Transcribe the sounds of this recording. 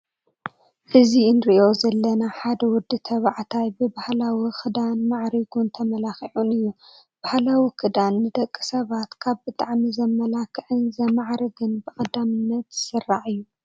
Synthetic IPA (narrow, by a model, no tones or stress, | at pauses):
ʔɨziɨnɾɨʔo̞zɐlːɐnaħad̪ɐwʊd̪ːɨt̪ʰɐβaʕt̪ʰajbɨbahlawixʰɨd̪anmaʕɾiɡunt̪ʰɐmɐlaxiʕunɨjːu | b̥ahlawikɨd̪anːɨd̪ɐkʼːɨsɐβat̪kʰaβbɨt̪ʼaʕmizɐmɐlakʰɨʕɨnzɐmaʕɾɨɡɨnbɨkʼɐd̪amɨnːɐt̪z̥ɨsɨrːaʕɨjːu